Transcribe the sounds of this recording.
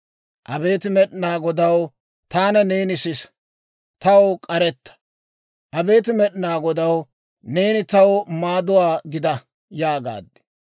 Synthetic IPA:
ʔɐbe̞ːt̪ɪmɛɗɪnaːɡɔd̪ɐw | t̪aːnɐne̞ːnɪsɪs | t̪ɐwkʼɐɾɛt̪ːɐ̥ | ʔɐbe̞ːt̪ɪmɛɗɪnaːɡɔd̪ɐw | ne̞ːnɪt̪ɐwmaːd̪ʊwaːɡɪd̪ɐ | jaːɡa̰ːd̪ːɪ̥

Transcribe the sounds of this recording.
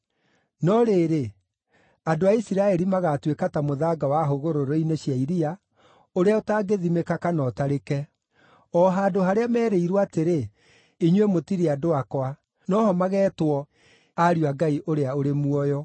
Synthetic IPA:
nɔɾeːɾe | adoaisiɾaɛɾimaɣatwekatamoðaːɡawaɦoɣoɾoɾoineɕiaiɾia | oɾeaotaːɡeðimekakanɔtaɾekɛ | ɔɦaːdoɦaɾeamɛːɾeiɾwaːteɾe | iɲwemotiɾeadoakwa | nɔhɔmaɣɛːtwɔ | aɾjwaɡaiʔoɾeaoɾemuɔjɔ

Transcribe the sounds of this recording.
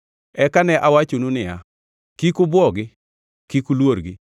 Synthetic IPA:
ɛkanɛʔawat͡ʃonunɪja | kikʊbwɔɡɪ | kikulwoɾɡi

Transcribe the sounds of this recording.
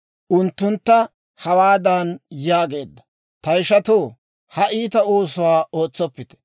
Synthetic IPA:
ʔʊnt̪ːʊnt̪ːɐ | hɐwaːd̪ɐnjaːɡe̞ːd̪ːɐ̥ | t̪ɐjɪʃɐt̪oː | hɐʔiːt̪ɐoːs̬ʊwaːʔoːt͡sːɔpːɪt̪ɛ̥

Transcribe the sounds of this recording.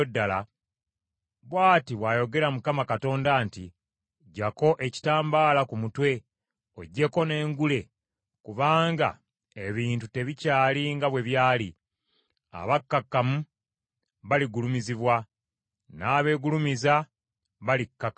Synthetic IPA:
odːala | βwaːtiβwaːjo̞ɡe̞ɾamukamakato̞ːndaːnti | ɟako̞ʔeci̥taːmbaːlakumutwe̞ | o̞̰ɟːe̞ko̞ne̞ːŋɡule̞ | kuβaːŋɡa̰ | eβiːntute̞βicaːliŋɡaβwe̞βjaːli | a̰βakːakːamu | βaliɡulumiziβwa | naːβe̞ːɡulumiza | βalikːakː

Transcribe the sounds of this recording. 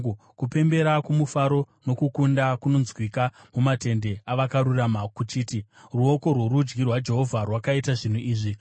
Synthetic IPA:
kupe̞mbe̞ɾakumufaɾo̞ | no̞kukundakuno̞nzwikamumate̞nde̞aʋakaɾuramakut͡ʃiːti | ruo̞ko̞rwoɾud͡ʒɡirwad͡ʒe̞ɦo̞vʱarwakaitaʐin̤uʔiːʐi

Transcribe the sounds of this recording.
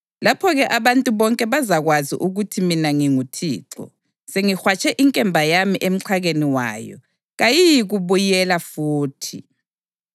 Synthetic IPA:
lapʰɔɣɛʔaβantʼuβɔŋkʼɛβazaɣwazḭʔuɣutʰiminaŋiŋutʰḭːǁɔ̰ | seŋixwat͡ʃʰʼɛʔiŋkʼɛmbʱajamiʔem̩ǀʰaɣeniwa̰ːjɔ̰ | ɣajijiɣuβujɛlafuːtʰi

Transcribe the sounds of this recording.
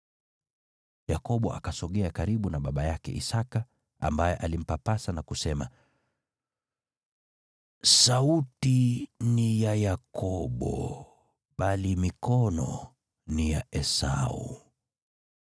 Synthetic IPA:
jakɔɓɔakasɔɠɛakaɾiɓunaɓaɓajakɛ̰ḭsaka | a̰mbajɛʔalim̩papasanakusɛma | sautinijajakʰɔɓɔ̰ | ɓalimikɔnɔ̰ | nijaɛsa̰ṵ

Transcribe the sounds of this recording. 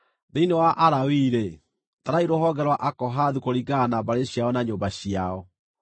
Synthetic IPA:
ðeinewaʔaɾawiːɾe | taɾaiɾoɦɔɡɛɾwaʔakɔɦaðukoɾiɡanabaɾeɕjaɔnaɲoːbaɕiaɔ

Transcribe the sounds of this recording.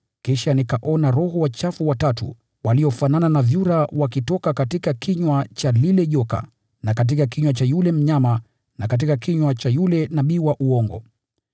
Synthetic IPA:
kiʃanikaʔɔnaɾɔɦɔwat͡ʃafuwatatṵ | waliɔfanananavjuɾawakitɔkakatikakiɲwat͡ʃalilɛʄɔka̰ | nakat̬ikakiɲwat͡ʃajulɛm̩ɲama | nakat̬ikakiɲwat͡ʃajulɛnaɓiwaʔuɔŋɡɔ̰

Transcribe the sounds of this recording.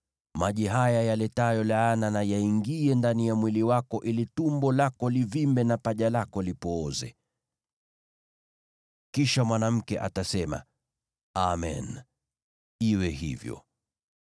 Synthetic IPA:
maʄiɦajajalɛtajɔlaːnanajaiŋɡiɛndanijamwiliwakɔʔilitumbɔlakɔlivimbɛnapaʄalakɔlipɔːzɛ̰ | kiʃamwanam̩kɛʔa̰tasɛma̰ | amɛ̰n | iwɛɦḭvjɔ̰

